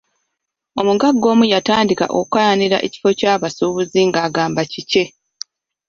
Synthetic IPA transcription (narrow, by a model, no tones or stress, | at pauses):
o̞muɡaɡːo̞ːmujataːndika̰ʔokajaniɾa̰ʔe̞̰ci̥fo̞caːβasuːβuziŋɡaːɡaːmbacice̞